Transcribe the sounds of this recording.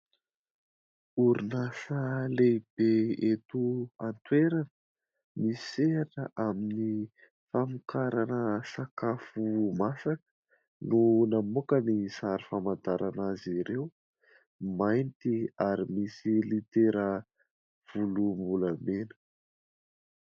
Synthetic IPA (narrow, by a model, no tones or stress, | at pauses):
uɾinasəleb̥eet̪uant̪weɾanə | misenəʔamini | famukaɾanəsakafumasakə̥ | nunamukənisaɾifamant̪aɾʔanaziɾew | majnt̪iaɾimisilit̪eɾə | v̥ulumbulamenə̥